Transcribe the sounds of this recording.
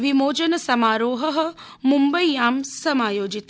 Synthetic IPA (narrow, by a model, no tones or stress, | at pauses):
ʋimoːd͡ʒɐnɐsɐmaːɾoːɦɐɦɐ̆ | mumbɐjːaːmsɐmaːjoːd͡ʒit̪